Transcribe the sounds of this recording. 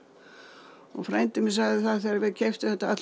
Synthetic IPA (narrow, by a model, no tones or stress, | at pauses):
ɔɣfɾajnt̪ɪmɪs̬aːɣðɪθaðθɛɾaɾvɛcʰɛjft̪ʏθɛt̪ːaa̰t̪